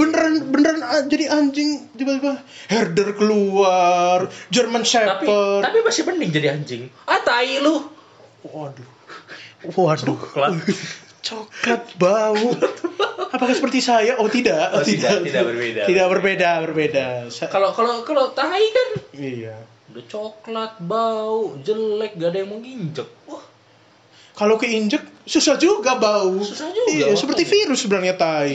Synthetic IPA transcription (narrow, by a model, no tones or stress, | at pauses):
b̥ənəɾanbənəɾanad͡ʒadiaɲd͡ʒɪŋd͡ʒibaba | hɛrdərkəluard͡ʒərmansɛpərt̪apimasɪhpəndɪŋd͡ʒadiaɲd͡ʒɪŋat̪ailʊh | adu | adu | t͡ʃokat̪̚baut̪apakahsəpərt̪isajaʔot̪idaʔt̪idaedt̪idaʔbərbedabərbedasakalokalokalot̪aikanija | udat͡ʃoklat̪̚baud͡ʒəlɛk̚ɡadajaŋməŋiɲd͡ʒək̚wah | kalokəiɲd͡ʒək̚susahd͡ʒuɡabaususahd͡ʒuijasəpərt̪ifiɾʊsːəbənarɲat̪ai